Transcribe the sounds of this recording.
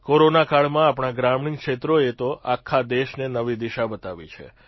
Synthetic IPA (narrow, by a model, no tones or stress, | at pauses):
koɾonakaɭmãapɽ̃aɡɾamɳiŋkʃet̪ɾoet̪oʔakʰːad̪eʃnenəʋid̪iʃabət̪aʋḭt͡ʃʰḛ